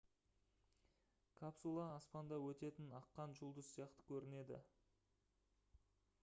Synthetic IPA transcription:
kʰapsulˠɑːspɑnd̪ɑwɵt̪e̞t̪ɪnɑqːɑnʒʊlˠd̪əssijɑqt̪ə̥kʲʰɵɾɪne̞d̪ɪ̰

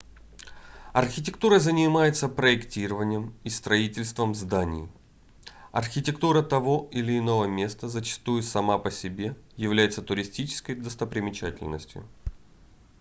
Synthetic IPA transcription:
ɐrxʲɪtʲɪkt̪uɾəzənʲɪmajɪt̪səpɾəɪktʲiɾəvənʲɪjəmist̪ɾɐitʲɪlʲst̪vəmzd̪anʲɪ̰j | ɐ̰rxʲɪtʲɪkt̪uɾət̪ɐvo̞ɪlʲɪːno̞vəmʲe̞st̪əzət͡ɕɪ̥st̪ujʊsɐmapəsʲɪbʲe̞jɪvlʲæjɪt̪sət̪ʊɾʲɪsʲtʲit͡ɕɪ̥skəjd̪əst̪əpɾʲɪmʲɪt͡ɕætʲɪ̰lʲnə̰sʲtʲjʊ̰

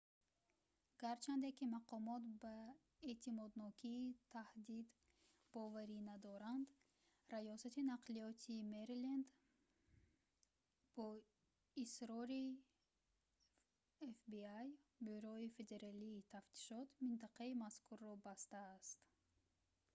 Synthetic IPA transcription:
ɡ̥aɾt͡ʃʰand̪ekimaqʰɔmɔt̪ba | e̞t̪ʰimɔd̪nɔkʰiːt̪ʰahd̪id̪ | bɔvaɾinad̪ɔɾand̪ | ɾajɔsat̪inaqliɔt̪ʰimeɾlend̪ | b̥ɔ | isɾɔɾi | efbiajbyɾɔife̞d̪e̞ɾaliːt̪ʰaft̪ʰi̥ʃɔt̪mint̪aqaimaskʰurːɔbast̪aːst̪

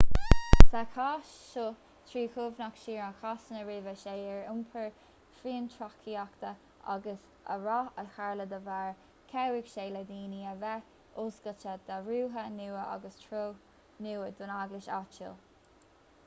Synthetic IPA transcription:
sakʰaʃ | ʃʊ | t̪ʰɹiːkʰʊvnakʃiːɹakʰasənəɹeːvəʃeːɛɹʊmpʰəɹ | fɾiːənt̪ʰɹakʰiakt̪ə | ʔa̰ɡəs | ə̰ɹɔəlxaɹləd̪əvaɹ | kʰɛwɪɡʃeːlad̪iːniəvɛ | oːsɡ̥ət͡ʃəd̪̥aɹuːɦənuːəʔa̰ɡəstʰɹoː | nuːəd̪ʊnaɡlɪʃa̰t͡ʃə̰l

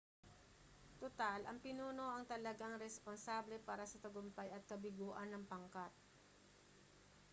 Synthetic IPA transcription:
t̪ot̪alʔɐŋpɪnuːno̞ʔɐŋt̪ɐlɐɡaŋɾɛsponsaːblɛpaːɾɐsɐt̪ɐɡʊmpajɐt̪̚kɐbɪɡoːʔɐnːɐŋpɐŋkat̪̚

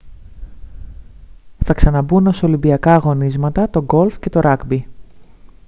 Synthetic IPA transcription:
θɐksɐnɐbuno̞so̞limbiɐkɐɣo̞nizmɐt̪ɐt̪o̞ɡo̞lfce̞t̪o̞ɾɐkbi

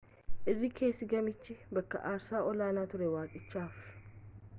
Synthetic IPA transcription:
ʔɪrːɪkʰe̞ːsːɪɡɐmɪt͡ʃːɪbɐkːɐ̰ʔaːɾsaːʔɔlaːnaːt̪ʊɾɛwaːkʼɪt͡ʃːaːf

